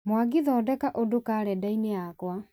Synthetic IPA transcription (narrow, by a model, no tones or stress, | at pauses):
mwaɡiðɔːdɛkaʔodokaːɾɛdaineakwa